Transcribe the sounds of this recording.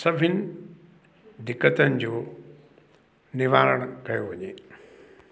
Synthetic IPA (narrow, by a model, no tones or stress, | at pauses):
sɐbʱɪnɪ | d̪ɪkːət̪ənɪ̆d͡ʑoː | nɪʋaːləɽ̃kɐjoʋɐɲeː